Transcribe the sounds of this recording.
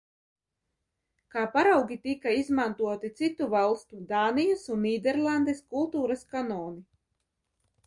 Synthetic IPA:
kaːpaɾawɡʲit̪ikaizmant̪uɔt̪it̪sit̪uvalˠst̪ud̪aːnijasunːiːd̪ɛɾlˠand̪eskulˠt̪uːɾaskanɔːni

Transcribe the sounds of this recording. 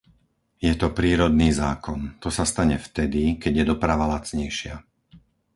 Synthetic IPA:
jɛt̪ɔpɾiːɾɔd̪niːzaːkɔnt̪ɔsast̪aɲɛft̪ɛd̪ikɛɟjɛd̪ɔpɾaʋalat͡sɲɛjʃɪa

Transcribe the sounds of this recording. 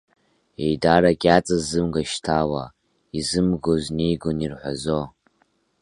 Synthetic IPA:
ejdaɾakʲʼat͡sʼɨzːɨmɡaʃtʰawa | izɨmɡoznejɡonirħʷa̰zo

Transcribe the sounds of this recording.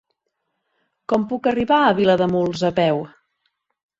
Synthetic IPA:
kɔmpukəriβaəβiləðəmulˠzəpɛw

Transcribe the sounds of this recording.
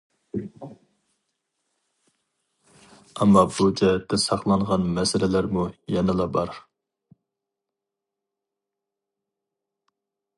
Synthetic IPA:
ɑmːɑbud͡ʒɛɛt̪ʰːɛsɑχlˠɑŋʁɑnmɛsɪlɪlæɾmujɛnɨlˠɑbɑɾ

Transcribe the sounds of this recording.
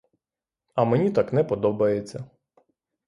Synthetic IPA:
ɐmenʲit̪ɑknɛpɔd̪ɔbɐjet͡sʲːɐ

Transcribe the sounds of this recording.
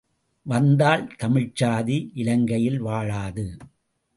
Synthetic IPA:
ʋɐnd̪aːɭt̪ɐmɪɻt͡ʃaːðiʔɪlɐŋɡɐjɪlʋaːɻaːðɯ

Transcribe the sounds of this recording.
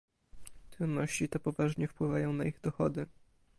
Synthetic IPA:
t̪ɾud̪ːɔɕt͡ɕit̪ɛpɔvaʐɲɛfpwɘvajɔ̃w̃naiɣd̪ɔxɔd̪ɘ

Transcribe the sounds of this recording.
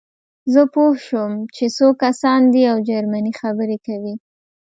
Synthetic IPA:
zəpohʃəmt͡ʃesokasɑnd̪iawd͡ʒaɾmanixabəɾekawi

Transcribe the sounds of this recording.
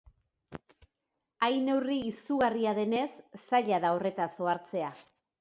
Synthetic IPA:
ajne̞wriːsuɣariaðe̞ne̞sːaʎaðao̞re̞t̪aso̞aɾt͡se̞a

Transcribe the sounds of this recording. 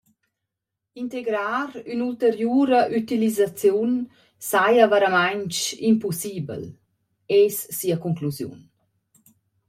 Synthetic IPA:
int̪eɡɾaːɾynult̪əɾjuːɾəʔyt̪ilizat͡sjun | sajəvaɾamaɲt͡ʃḭmpusiːbə̰l | ɛsːiəkuŋkluzjṵn

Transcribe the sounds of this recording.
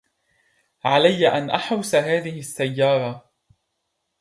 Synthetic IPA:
ʕalajːaʔanʔaħawsaɦaːðɪhɪsːajːɑːɾˤɑ

